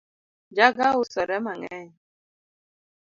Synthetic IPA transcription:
d͡ʒaɡaʊsɔɾɛmaŋɛ̰ɲ

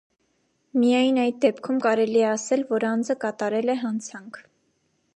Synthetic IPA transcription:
mijɑjnɑjd̪̚d̪ɛpkʰumkɑɾɛliɛɑsɛlvɔɾɑnd͡zəkɑt̪ɑɾɛlɛɦɑnt͡sʰɑŋkʰ

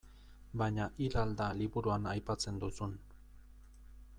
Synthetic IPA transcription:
baɲaʔilald̪aliβuɾuanajpat͡se̞nd̪usun

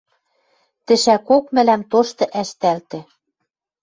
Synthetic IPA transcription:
t̪ɘ̆ʃækokmɘ̆læmt̪oʃt̪ɤ̆ʔæʃt̪ælt̪ɘ̆

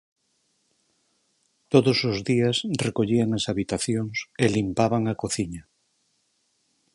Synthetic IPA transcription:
t̪oðosozðiasrekoʎiaŋasaβit̪aθjoŋselimpaβaŋakoθiɲa

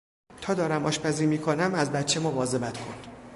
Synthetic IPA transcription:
t̪ʰɒːd̪ɒːɾæmɒːʃpʰæziːmiːkʰonæmæzbæt̪t͡ʃʰːe̞movɒːze̞bæt̪kʰond̪̥

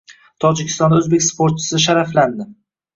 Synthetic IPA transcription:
t̪ʰɒd͡ʒɪkʲʰɪst̪ɒnd̪ɵzbe̞kʲspoɾt̪̚t͡ʃʰɪ̥sɪʃ̬aɾafland̪ɪ

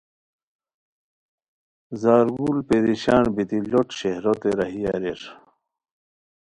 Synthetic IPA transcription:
zaːɾɡulpeɾiɕaːɳbit̪iʎoʈɕehɾot̪eɾɐɦijaɾeɾ

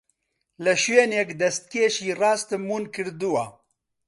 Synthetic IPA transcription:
lɨʃweːnɛkd̪ɛst̪̚keːʃiːrɑːst̪ɨmuːnkɨɾd̪uwa

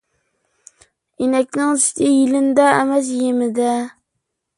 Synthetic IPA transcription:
inɛk̚ʲnɪŋst̪ʰɪjɪlɪnd̪ɛːmæs̬jemɪd̪ɛ

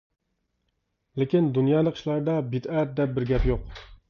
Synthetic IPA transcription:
lɪkʲind̪unjɑːlˠəqʃlˠɑɾd̪ɑbit̪æɾt̪̚d̪ɛp̚bɪɾɡʲɛpjoq

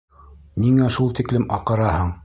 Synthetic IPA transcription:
niŋæʃulˠt̪iklɘmɑqɤ̆ɾɑhɤɴ

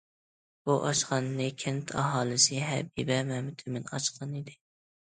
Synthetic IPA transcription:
buʔɑʃqɑnːɪkʲʰɪnt̪ʰɑ̰ɦɑːlˠɨsɨɦæ̰bibæmæmɪt̪ʰɪmɪnɑ̰t͡ʃqɑnɪd̪ɪ

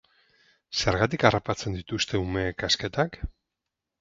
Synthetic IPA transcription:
se̞ɾɣat̪ikarapat͡se̞nd̪it̪ust̪e̞ume̞ːkaske̞t̪ak

